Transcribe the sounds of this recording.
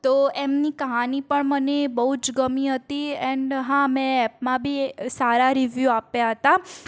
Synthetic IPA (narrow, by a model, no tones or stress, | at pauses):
t̪oemnikəɦanipəɳmənebəɦud͡ʒɡəmiɦət̪iɛɳɖɦãmɛ̃ɛpmãbʱisaɾaɾiʋjuapjaɦət̪a